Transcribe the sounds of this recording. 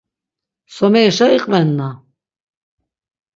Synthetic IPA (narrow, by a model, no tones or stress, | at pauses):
sɔmɛʃaiqʼvɛnːa